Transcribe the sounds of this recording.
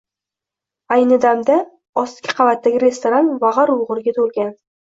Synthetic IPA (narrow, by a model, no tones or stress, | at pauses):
ajnɨd̪amd̪a | ɒskʲɪ̥qʰɑvat̪ːaɡʲɪɾe̞st̪oɾanvaʁɑɾwʊʁɨɾɡʲat̪ʰolˠɡʲan